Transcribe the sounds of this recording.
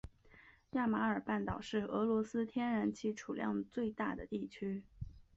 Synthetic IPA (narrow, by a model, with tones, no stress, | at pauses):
ja˥˩ma˧˥ə˞˨˩pa˥˩nt̪ɑ˨˩ʊʂɻ̩˥˩ɤ˧˥lwɔ˧˥sɹ̩˥t̪ʰjɛ˥nɻa˧˥nt͡ɕʰi˧˥ʈ͡ʂʰu˨˩ljɑ̰˥˧ŋt͡swe˥˧ɪt̪a˥˩d̪ə˩t̪i˥˩t͡ɕʰy˥